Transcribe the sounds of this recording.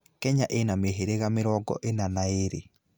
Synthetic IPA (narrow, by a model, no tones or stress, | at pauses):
kɛɲaʔenameɦeɾeɣamɪɾɔɡɔ̰ʔenanaeɾḛ